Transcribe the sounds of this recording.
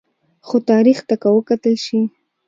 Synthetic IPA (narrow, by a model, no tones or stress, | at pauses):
xot̪ɑɾixt̪akawəkat̪əlʃi